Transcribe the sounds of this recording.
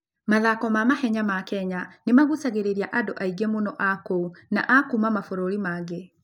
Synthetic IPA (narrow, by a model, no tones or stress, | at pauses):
maðakɔmamahɛɲamakɛɲanemaɣusaɣeɾeɾjaʔadoʔaiɡemonɔʔakouna̰ʔakumamafoɾoɾimaɡe